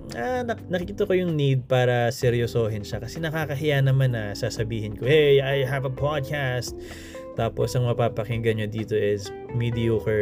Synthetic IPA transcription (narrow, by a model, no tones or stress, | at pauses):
anɐnɐkikɪt̪okojʊŋnid̪̚paːɾɐsɛɾjosoːɦɪnʃɐkɐsɛnɐkaːkɐɦɪjanɐmanɐsaːsɐbiːhɪnkoʔɛajɦɐvɐpʰad̪̚kast̪̚ː | aːposɐŋmɐpaːpɐkɪŋɡɐɲod̪iːt̪o̞ʔɪs | mid̪ɪoːkɛ